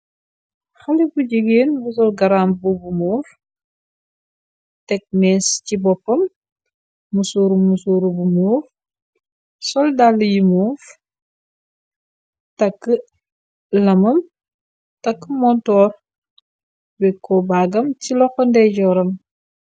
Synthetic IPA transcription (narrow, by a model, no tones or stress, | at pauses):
xɐlibuɟəɡeːnbus̬ɔlɡɐɾaːmbubumuːf | tɛk̚mɛːscibɔpːɐmː | usuɾumːusuːɾubumuːf | sɔldalːjimuːf | tɐkːə | lɐmɐm | tɐkːəmɔntɔːr | bɛkːɔbaːɡɐmcilɔxɔndɛɟɔɾɐm